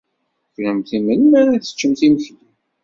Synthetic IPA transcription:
fəmθimənːθə̥t͡ʃːəmθimçli

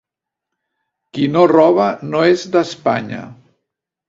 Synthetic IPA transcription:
kinorɔβ̞ənoezðəspa̰ɲə̰

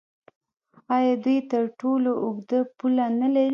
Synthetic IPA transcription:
ɑjɑd̪ujt̪əɾʈoloʔʊɡd̪əpulanalaɾi

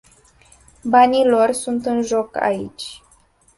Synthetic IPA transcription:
banilo̞rsunt̪ɨnʒo̞ka̰ḭt͡ʃʲ

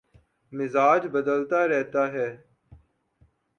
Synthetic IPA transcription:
mɪzaːd͡ʒbəd̪əlt̪aːɾɛɦt̪aːɦɛː

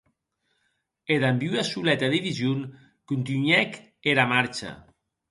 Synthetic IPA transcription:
eðambiwasulɛt̪aðiβizun | kunt̪ynɥɛk | eɾamaɾt͡ʃa̰

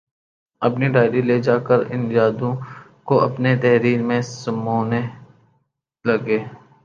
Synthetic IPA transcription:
ɐpniɖaːɪɾileːd͡ʒaːkəɾɪ̰̃njaːd̪õ | koʔɐpnet̪ɛɦɾiːɾmẽsɐmoːne | lɐɡeː

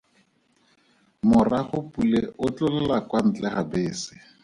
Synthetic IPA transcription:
mʊraχʊpuleʊt͡ɬʊlɛlakwan̩t͡ɬʼɛχabeːsɪ̥

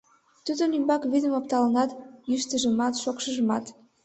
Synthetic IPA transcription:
t̪ud̪ənymbɑkβid̪əmop̚t̪ɑlənɑt̪jyʃt̪əʒəmɑt̪ʃokʃəʒəmɑt̪

